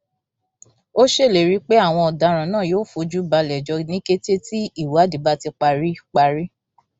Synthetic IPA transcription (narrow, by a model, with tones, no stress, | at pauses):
o˦ʃe˦˨le˨ɾi˨˦k͡pe˦a˦˨w̃ɔ̃˧ɔ˨da˨˧˦ɾ̃ã˨nãː˦˨joː˦fo˧d͡ʒu˦ba˧lɛ˨d͡ʒɔ˧nĩ˦ke˦te˦ti˦i˦˨wa˨˦di˨˦ba˦ti˧k͡pa˧ɾi˦k͡pa˧ɾi˦